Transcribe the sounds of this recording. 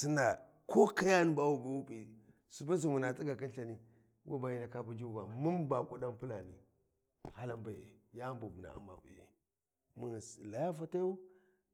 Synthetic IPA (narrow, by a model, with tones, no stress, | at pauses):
si˦na˨ | ko˦ka˦ja˦n˦ba˦wu˦ba˦wu˦pi˨ | su˨ba˦s̬i˨mu˨na˨t͡si˦ɡa˨ki˦nɬa˨ni˦ | wʔu˦ba˨ji˦na˨ka˦pu˦d͡ʒu˦ɡa˨mu˦nba˨ku˦da˦npi˦la˨ni˨ | ha˦la˦mba˨ḛ˨ja˦mbu˨bi˨na̰˨a̰˦mba̰˨bṵ˨ḛ˨ | mu˨n˨sla˨ja˦fa˦ta˦u˦